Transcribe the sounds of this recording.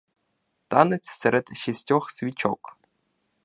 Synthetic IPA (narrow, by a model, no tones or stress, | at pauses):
t̪ɑnɪt͡sʲsɛɾɛd̪ʃisʲtʲɔxsʲʋʲit͡ʃɔ̰k